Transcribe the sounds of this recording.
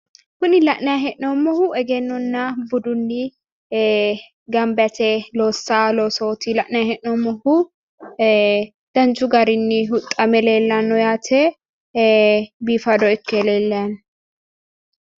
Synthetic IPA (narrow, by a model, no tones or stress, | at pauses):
kʊnɪlɐʔnɐjaɦɛʔnoːmːɔhʊʔɛɡɛnːɔnːɐbʊd̪ʊnːɪ | ɡɐmbjɐt̪ʰɛloːsːaːloːsoːt̪ilɐʔnɛjahɛʔnomːɔhʊ | d̪̥ɐnt͡ʃʊɡɐɾɪnːɪhʊt̪ʼːɐmɛleːlːɐnːɔjaːt̪ʰɛ | biːfɐd̪ɔɪkːɛleːlːɐn